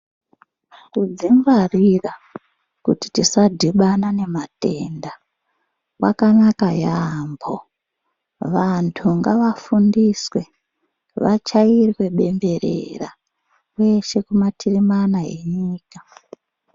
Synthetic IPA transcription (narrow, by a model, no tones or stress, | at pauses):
kud͡ziŋɡwarira | kuti̥tisadʱiɓanane̞mate̞nda | wa̰kanakajambʰo | ʋantʰuŋɡaʋafundiswe̞ | ʋat͡ʃairiwe̞ɓe̞mbe̞rḛra | we̞ʃe̞kumatʰirimanae̞̰ɲiːka